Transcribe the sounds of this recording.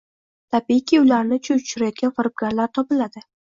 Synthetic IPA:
t̪ʰabiɪkʲʰiʊlaɾnɪt͡ʃʰʊʊ̥t͡ʃʰʊɾajɒt̪̚ɡʲanfɪɾp̚ɡʲaɾlaɾt̪ʰɒpɪlad̪ɪ

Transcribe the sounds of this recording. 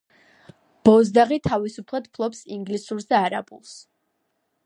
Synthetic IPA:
b̥ɔzd̪aʁit̪ʰavisupʰlˠad̪̚pʰlˠɔpsiŋɡlisuɾsd̪aːɾa̰bṵlˠs

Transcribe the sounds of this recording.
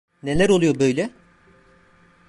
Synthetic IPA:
ne̞lʲæɾo̞lˠujobøjlʲɛ

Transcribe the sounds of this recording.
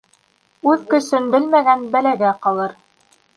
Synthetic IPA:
ʉðkɵ̆ʃɘnbɘlmæɡænbælæɡæqɑlˠɤɾ

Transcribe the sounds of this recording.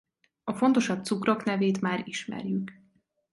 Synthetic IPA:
ɒfo̞nt̪o̞ʃɒbt̪sukroknɛveːt̪maːɾiʃmɛ̰rjyk

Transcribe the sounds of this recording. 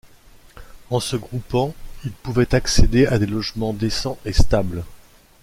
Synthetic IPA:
ɑ̃səɡʁupɑ̃ilpuvɛt̪aksed̪ead̪elɔʒmɑ̃d̪esɑ̃ʔest̪abl

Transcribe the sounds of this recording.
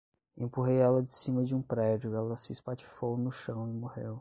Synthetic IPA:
ẽpuɦejɛlɐd͡ʒɪsĩmɐd͡ʒɪũpɾɛd͡ʒʊɛlɐsɪːspat͡ʃi̥fownʊʃɐ̃w̃ɪmohḛw

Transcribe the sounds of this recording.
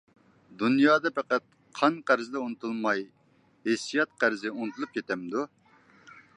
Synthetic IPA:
d̪unjɑːd̪ɑpʰɛqæt̪̚ | qʰɑnqæɾzɪd̪ɛunɨt̪ʰulˠmɑj | hesijɑt̪̚qæɾzɪunɨt̪ʰulˠup̚kʲʰet̪ɛmd̪u

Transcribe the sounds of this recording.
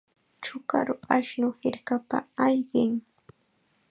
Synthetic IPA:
t͡ʃʊka̰ɾʊaʃnʊhɪɾkapa̰ajʎɪŋ

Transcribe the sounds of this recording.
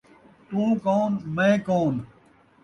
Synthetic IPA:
t̪ũːkoːnmẽːkoːn

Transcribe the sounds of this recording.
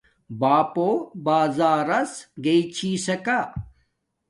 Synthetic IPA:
baːpobaːzaːɾɐsɡeit͡ɕʰiːsɐka

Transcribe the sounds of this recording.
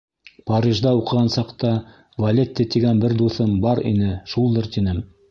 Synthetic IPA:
paɾʲiʒd̪ɑuqɤ̆ʁɑnsɑqt̪ɑ | vɐlʲet̪ʲːɘt̪iɡænbɘɾd̪uθɤmbɑɾḭnɘʃulˠd̪ɤɾt̪inɘm

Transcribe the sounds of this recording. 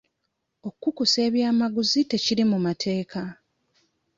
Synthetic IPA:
o̞kːukuse̞ːβjaːmaɡuzite̞ciɾimumatʰe̞ːka

